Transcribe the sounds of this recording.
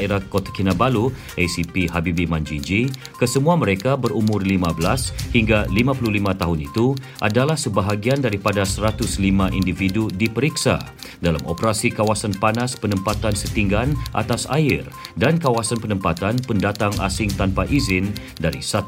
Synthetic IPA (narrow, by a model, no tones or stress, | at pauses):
eɾakot̪ḁkinabalu | ʔɛsipiɦabibimand͡ʒind͡ʒi | kəsəmuaməɾekabəɾumʊrlimabəlashiŋɡalimapululimãt̪aɦunit̪u | ʔadalahsəbaɦaɡiandaɾipadasəɾat̪ʊslimãʔindifidudipəɾiksa̰ | dala̰mo̰pəɾasikawasanpanaspənəmpat̪ansət̪iŋɡanʔa̰t̪asa̰ɪrdankawasanpənəmpat̪anpəndat̪aŋa̰sɪŋt̪anpaʔizɪn | daɾḭsa